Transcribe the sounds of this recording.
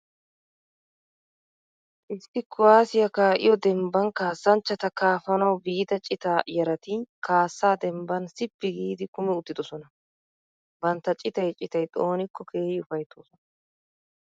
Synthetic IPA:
ʔɪsːɪkːʊwaːsɪjɐkaːʔɪ̰jɔd̪ɛmbɐnkaːsːɐnt͡ʃːɐt̪ɐkaːfɐnɐwbiːt̪ɐt͡ʃʼɪt̪aːjɛɾɐt̪ikaːsːaːd̪ɛmbɐnsɪpːɪɡiːd̪ɪkʊmɛʊt̪ːɪd̪ɔsɔnɐ | bɐnt̪ːɐt͡ʃʼɪt̪ɐjt͡ʃʼɪt̪ɐjt̪ʼoːnɪkʰːɔkʰeːjʊfɐjt̪ːoːsɔnɐ

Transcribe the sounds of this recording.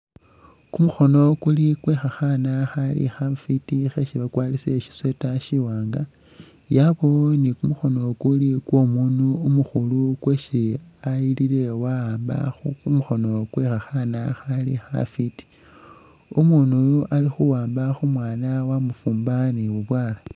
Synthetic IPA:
kumuxo̞no̞kulikwexaxanaxalḭxafitixe̞ʃiβakwaːliseʃi̥swe̞taʃiwaːŋɡa | jaβo̞nikumuxo̞no̞kulikwo̞munuːmuxulukweʃiailile̞waːmba̰xukumuxo̞no̞kwexaxanaxalḭxa̰fiti̥ | omunualixuwaːmbaxumwaːnawamufuːmbaniβuβwaːla

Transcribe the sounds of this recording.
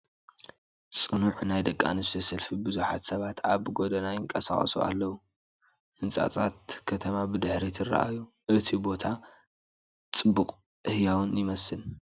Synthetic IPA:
t͡sʼɨnuʕnajd̪ɐkʼːa̰nɨst̪ʰosɐlfibɨzuħa̰t̪sɐβat̪aβɡo̞d̪ɐnajɪŋkʼɐsa̰χʼɐ̰sṵʔa̰lːɐwu | ʔɨnt͡sʼa̰t͡sʼat̪̚kʰɐt̪ʰɐmabɨd̪ɨħɾit̪ʰɨrːa̰ʔa̰ju | ʔɨt̪ʰibo̞t̪ʰa | t͡sʼɨbːukʼ | ʔɨhjawunjɪmɐsɨn

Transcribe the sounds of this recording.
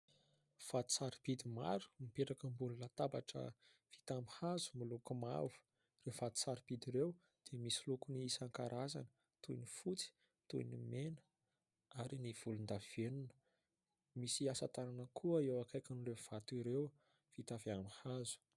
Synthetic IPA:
v̥at̪u̥saɾipid̪ima̰ɾu̥mipeʈ͡ʂakəmbululat̪abaʈ͡ʂə̰ | v̥i̥t̪ambihazu̥milukuma̰vu̥ | rewvat̪u̥saɾipid̪iɾew | d̪̥emisilukuniisaŋkaɾazanə̥ | t̪uinifut͡si̥ | t̪uinimenə̥ | aɾiniv̥ulund̪av̥enunə̥ | misiasat̪aɾanəkʰuəewakajkanulev̥at̪iɾew | v̥it̪aviambihazu̥

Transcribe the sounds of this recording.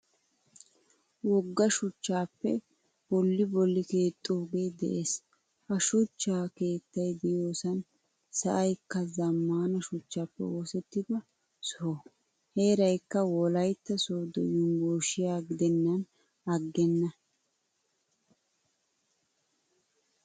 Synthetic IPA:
wɔɡːɐʃʊt͡ʃːaːpːɛ | b̥ɔlːɪbɔlːɪke̞ːt̪ʼːoːɡe̞ːd̪ɛ̰ʔeːs | hɐʃʊt͡ʃːaːke̞ːt̪ːɐjd̪ɪjo̞ːsɐn | sɐʔɐjkːɐzɐmːaːnɐʃʊt͡ʃːaːpːɛ̰woːsɛt̪ːɪd̪ɐ | sɔɔ | he̞ːɾɐjkːɐwɔlɐjt̪ːɐsoːd̪ɔ̰jʊmɡoːʃɪjaːɡɪd̪ɛnːɐn | ɐɡːɛnːɐ

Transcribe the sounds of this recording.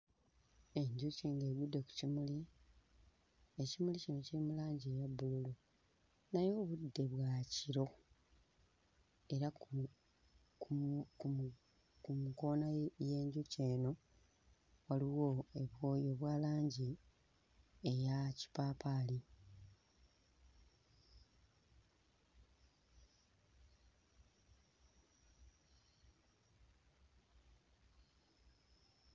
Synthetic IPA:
e̞ɲɟuciːŋɡe̞ːβjudːeku̥cimuli | e̞cimulicino̞cilimulaːɲɟie̞ːjabːululu | najo̞ːβudːe̞βwaciɾo̞ | e̞ɾa | k | kumuko̞naje̞ːɲɟuce̞ːno̞ | waliwo̞e̞βwojo̞βwaːlaːɲɟi | e̞jaci̥paːpaːli

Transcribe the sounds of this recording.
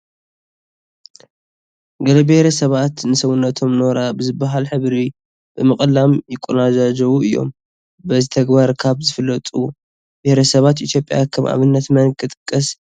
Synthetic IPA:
ɡɐlɐbehɾɐsɐβat̪nɨsɐwunːɐt̪ʰo̞mno̞ɾabɨzɨbːaɦalħɨβɾi | b̥ɨmɨχʼlamjɪkʼːunad͡ʒad͡ʒɐwuɨjːo̞̰m | bɐzit̪ʰɐɡbaɾkʰaβzɨfɨlːɐt̪ʼu | behɾɐsɐβat̪ʔit̪ʰjo̞pʼːja̰kʰɐmʔa̰βɨnːɐt̪mɐnkʰɨt̪ʼɨ̥kʼːɐs

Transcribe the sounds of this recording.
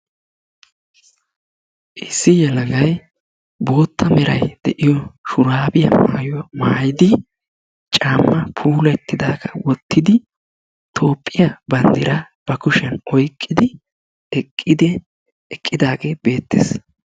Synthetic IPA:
ʔɪsːɪjɛlɐɡɐj | bo̞ːt̪ːɐmɛɾɐjd̪̥ɛʔɪjɔʃʊɾaːbɪjɐ̰ma̰ːjɔwɐmaːjɪd̪ɪ | t͡ʃʼaːmːɐpʰuːlɛt̪ːɪd̪aːɡɐwɔt̪ːɪd̪ɪ | t̪ʰo̞ːpʼːɪjɐbɐnd̪ɪɾɐb̥ɐkʊʃɛnɔjkʼːɪd̪ɪ | ɛkʼːɪd̪ɛ | ɛkʼːɪd̪aːɡeːbe̞ːt̪ːḛs

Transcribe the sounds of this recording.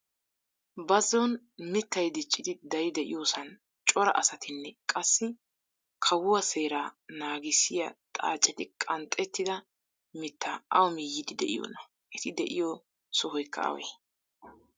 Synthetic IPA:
bɐzːɔn | mɪt̪ːɐjd̪ɪt͡ʃʼːɪd̪ɪd̪ɐjd̪ɛʔɪ̰joːsɐn | t͡ʃʼɔɾɐ̰ʔɐsɐt̪ɪnːɛkʼɐsːɪ | kʰɐwʊwɐse̞ːɾaːnaːɡɪsɪjɐt̪ʼa̰ːt͡ʃʼːɪt̪ɪkʼɐnt̪ʼɛt̪ːɪd̪ɐ | mɪt̪ʰːaʔɐwmijːɪd̪ɪd̪ɛʔɪ̰jo̰ːnɐ | ʔɛt̪ɪd̪ɛʔɪjɔ | sɔɦɔjkʰːɐ̰ɐ̰wḛː

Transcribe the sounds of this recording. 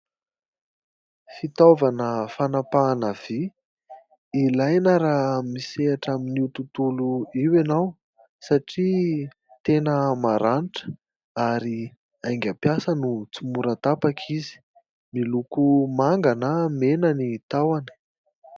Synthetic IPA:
fit̪ovanəfanapaːnəv̥i | ilajnaɾammiseaʈ͡ʂaminiut̪ut̪uluiwenaw | saʈ͡ʂi | t̪enəmaɾaniʈ͡ʂə̥ | aɾi | ajŋɡʲapjasənut͡sumuɾət̪apakʰizi̥ | milukumaŋɡanamenanit̪awani̥

